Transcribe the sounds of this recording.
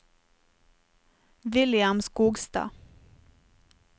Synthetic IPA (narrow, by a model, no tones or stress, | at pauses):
ʋɪljamskuːɡst̪ɑ̰ː